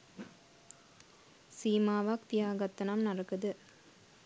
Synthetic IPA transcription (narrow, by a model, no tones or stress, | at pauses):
siːmaːʋaːk̚t̪ijaːɡɐt̪ːɐnɐmnɐɾɐkɯd̪ɯ